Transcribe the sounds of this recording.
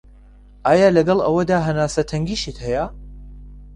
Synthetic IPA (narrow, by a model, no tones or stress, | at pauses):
ʔaːjaːlɐɡɐlˠɐ̰wɐd̪aːɦɐnaːsɐt̪ʰɐŋɡiːʃit̪hɐja